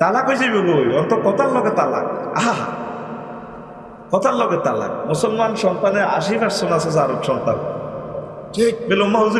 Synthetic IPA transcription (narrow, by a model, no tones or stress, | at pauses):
t̪alakojd͡ʑijbeɡojɔnt̪ɔkɔt̪aɾlɔɡet̪ala̰kaɦaa̰ | kɔt̪aɾlɔɡet̪ala̰k̚mosɔlmanʃɔnt̪aneʔa̰ʃ̬ibaɾsonases̬aɾokʃɔnt̪a̰n | t͡ʃebelomːaɦuzu